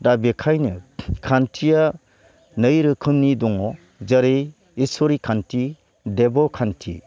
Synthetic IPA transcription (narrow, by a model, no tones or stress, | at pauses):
dabekʰajnɯkʰantʰija | nɯjɾɯkʰɯmnidɔŋɔ | zaɾe | isɔɾikʰantʰi | debɔkʰantʰḭ